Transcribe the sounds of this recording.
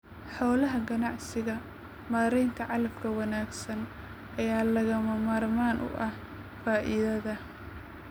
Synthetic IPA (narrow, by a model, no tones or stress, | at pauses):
ħɔːlɐɦɐɡɐnɑʕsɪɣɐ | maːɾɛjnt̪ʰɐʕɑlɐmkʰɐwɑnaːɡsɐn | ʔɐjaːlɐɣɐmɐmaːrmaːnʔʊ̰ʔɐh | faːʔɪðɐðɐ